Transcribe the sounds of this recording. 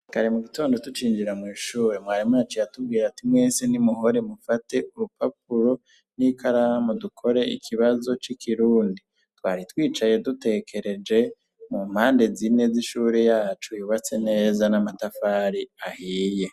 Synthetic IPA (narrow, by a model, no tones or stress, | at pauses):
kaɾimuɡito̞ːndo̞tut͡ʃiːnd͡ʒiɾamŋiːʃuːɾemwaːɾimunat͡ʃijatub̚ɡiːɾatimwe̞ːsenimuɦoɾemufate̞uɾupap̚uɾo̞ | nikʰaɾaamudukʰo̞ɾe̞ḭkʰiβazo̞t͡ʃikʰiɾuːndi | twa̰ːɾitwiːt͡ʃaje̞dute̞kʰe̞ɾe̞d͡ʒe̞ | mum̥haːnde̞zine̞ziʃuːɾe̞jaːt͡ʃujuβat͡se̞ne̞ːzanamatafaːɾiahiːje̞